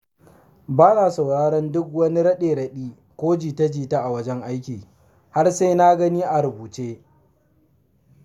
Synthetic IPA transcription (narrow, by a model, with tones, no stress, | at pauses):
baː˦naː˨sa˨wɽaː˦ɽɐ˦ndʊ˦k̚wɐ˦ni˦ɽɐ˦ɗeː˨ɽɐ˦ɗiː˦ | kʷoː˦d͡ʒiː˨tɐ˦d͡ʒiː˨ta˦ʔa˨wɐ˦d͡ʒɛ˦ŋʔa˦jkʲiː˨ | ha˦rsa˦jna˦ɡɐ˦ni˦ʔa˨ɾʊ˨buː˨t͡ʃeː˦